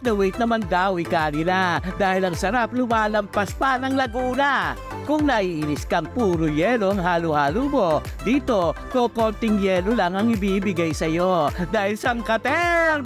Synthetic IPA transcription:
nɐwit̪̚nɐmɐnd̪aːwikanɪlad̪aːhɪlɐŋsɐɾap̚lʊmaːlɐmpɐspanɐŋlɐɡuːnɐ | kʊŋnɐʔiʔɪnɪskɐŋpuːɾʊjɛːloɐŋɦaːlʊhaːlubo̞ | d̪iːt̪o̞kokont̪ɪŋjɛːlolaŋɐŋɪbibɪɡajsɐjo̞d̪aːhɪlsɐɐŋkɐt̪ɛ

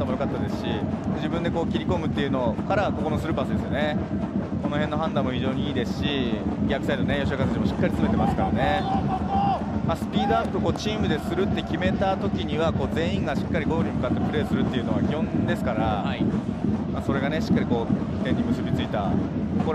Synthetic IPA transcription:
t̪ːamo̞jo̞kat̪ːad̪e̞sɨ̥ɕid̪ed͡ʑibɯ̟̃nd̪e̞ko̞ːkʲiɾʲiko̞mɯ̟t̪ːe̞iɯ̟no̞kaɾako̞ko̞nosɨɾɯ̟pasɨd̪e̞sɨjo̞ne̞ | ko̞no̞ɦẽ̞nːo̞ɦãnd̪ãmːoçiʑo̞ːɲ̟iiːd̪e̞sɨ̥ɕiɡʲiakɯ̟saed̪onejo̞ɕ̬iakasɨʑimoɕi̥kːaɾʲit͡sɨme̞t̪e̞masɨ̥kaɾane̞ | maːsɨ̥pʲiːd̪o̞apːɯkoːt͡ɕiːmɯ̟d̪e̞sɨɾɯ̟t̪ːe̞kʲime̞t̪at̪o̞kʲiɲ̟iβako̞ːd͡zẽ̞ɰ̃ĩŋɡaɕi̥kːaɾʲiɡo̞ɡoɲ̟imɯ̟kat̪ːe̞pɯ̟ɾe̞ːsɨɾɯ̟t̪ːe̞iɯ̟no̞βakʲihõ̞nd̪e̞sɨ̥kaɾa | maso̞ɾe̞ɡane̞ɕi̥kːaɾʲiko̞ːt̪ẽ̞ɲ̟ːimɯ̟sɨbʲit͡sɨit̪ako

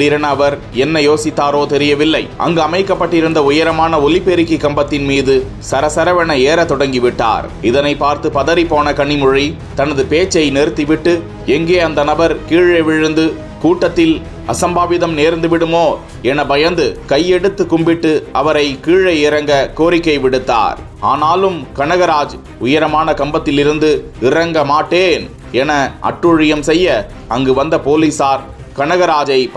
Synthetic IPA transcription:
ɽɪɾɐnɐʋɐɾ | ɛnːɐjoːsɪt̪ːaːɾoːt̪ɛɾɪjɐʋɪlːɐɪʔɐ̰ŋɡɯɐmɐɪkːɐpːɐʈːɪɾɯnd̪ɐʊjɐɾɐmaːnɐɔlɪpːeːɾɪkːikːɐmbɐt̪ːɪnmiːðɯ | sɐɾɐsɐɾɐʋɐɳɐeːɾɐt̪ɔɽɐŋɡɪʋɪʈːa̰ːɾ | ɪðɐnɐɪpːaːɾt̪ɯpɐðɐɾipːoːnɐkɐɳːɪmʊɻi | t̪ɐnɐðɯpeːt͡ʃːɐɪnɛɾt̪ːiʋɪʈːɯ | ɛŋɡeːɐnd̪ɐnɐbɐɾkiːɻeʋɪɻɯnd̪ɯ | kuːʈːɐt̪ːɪl | ɐ̰sɐmbaːʋɪðɐmneːɾnd̪ɯʋɪɽɯmoː | ɛnɐbɐjɐnd̪ɯkɐjɛɽɯt̪ːɯkːʊmbɪʈːɯɐʋɐɾɐɪkiːɻɐɪɪɾɐŋɡɐkoːɾɪkːɐɪʋɪɽɯt̪ːa̰ːɾ | aːnaːlɯmkɐɳɐɣɐɾaːd͡ʒ | ʊjɐɾɐmaːnɐkɐmbɐt̪ːɪlɪɾɯnd̪ɯ | ɪrɐŋɡɐmaːʈːeːn | ɛnɐʔɐ̰ʈrʊɻɪjɐmsɛjːɐ | ɐŋɡɯʋɐnd̪ɐpoːliːsaːɾ | kɐɳɐɣɐɾaːd͡ʒɐɪ

